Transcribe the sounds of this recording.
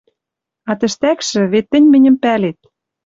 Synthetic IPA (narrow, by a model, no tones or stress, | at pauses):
ɑt̪ɘ̆ʃt̪ækʃɘ̆βet̪ːɘ̆nʲmɘ̆nʲɘ̆mpælet̪̚